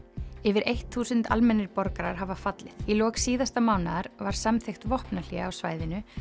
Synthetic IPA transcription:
ɛvɪɾejht̪θuːsʏnt̪a̰lmɛnːɪɾpɔɾkaɾaɾ̥ɦavafat̪lɪθilɔːksiːðast̪amawnaðaɾvaɾ̥samθext̪vɔhpnaliaawsvaːjðɪnʏ

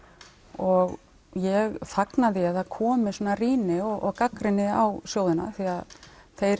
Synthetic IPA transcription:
ɔɣ | jɛɣθaknaðɪaðθaðkʰɔːmɪsɔːnariːnɪɔʔɔɣkakɾɪnːɪawsjoːwðɪna̰θiaðθejɾ

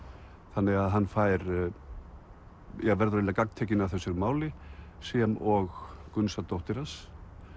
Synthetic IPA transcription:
θanːɪɣaðɦanːfaːjɾ | jɛɣvɛɾðɾalakak̚nt̪ʰɛːcɪnavθɛsːʏɾmaːwlɪsjɛmɔɣkʏnsat̪owht̪ɪɾas

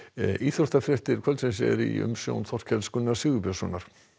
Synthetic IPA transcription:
ʔiːθoht̪afɾɛht̪ɪɾ̥kʰvɛɾlt̪sɛmsɛ̰ɾḭʏ̰msjo̰wnθɔr̥cʰɛlskʏnːḁsɪːɣʏpɛsɔːnaɾ̥

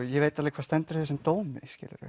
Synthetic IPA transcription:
jɛveːjt̪alɛːkʰḁːst̪ɛnt̪ʏɾ̥θɛs̬ːʏmt̪oːwmɪscɪ̰ːlɪ̰ɾʏ̰

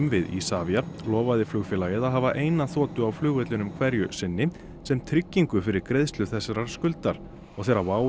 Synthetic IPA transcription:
mvɪðḭsaːvjalɔːvaðɪflʏɣfɪlajɪðaɦavaʔeːjnaθɔːt̪ʏawflʏːɣɛt̪lʏnʏmkʰvɛɾjʏsɪnːɪ | sɛmt̪ʰɾɪcːiŋkʏfɪɾɪɾkɾeðst̪lʏθɛsːaɾaɾ̥skʏlt̪aɾ̥ | ɔɣθejɾavaːw

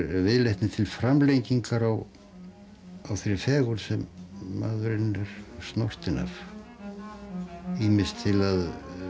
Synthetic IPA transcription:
ɾvɪðlejht̪nɪt̪ʰɪlfɾamlejciŋkaɾaw | awθejɾɪfɛːɣʏɾ̥sɛmːa̰ːðʏɾɪnɛɾ̥st̪nɔr̥t̪ɪna̰f | iːmɪst̪ʰɪlað

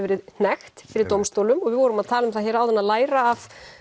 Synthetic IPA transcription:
vɛːɾɪðn̥ɛxt̪fɪɾɪɾt̪owmst̪oːwlʏmɔɣvɪðvɔːɾʏmaðt̪ʰaːlʏmθaçjɛːɾawðɛnːaðlaːjɾaːf

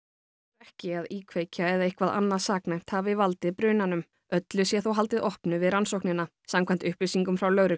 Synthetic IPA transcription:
ɛhcɪaðiːkʰvejcaɛðaɪhkʰvaða̰nːaðsaːknajm̥t̪havɪvalt̪ɪpɾʏːnanʏm | œt̪lʏsjɛθowɦal̪t̪ɪðɔhpnʏvɪðransowhknɪnːa | samkʰant̪ʏhplisiŋkʏmfɾawlœːwɾʏ

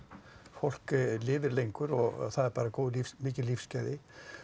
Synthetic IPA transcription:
fowl̥klɪːvɪɾlejŋkʏɾɔɣ̰θaðɛɾpaːɾakowðlifmɪːcɪlifscaːjðɪ

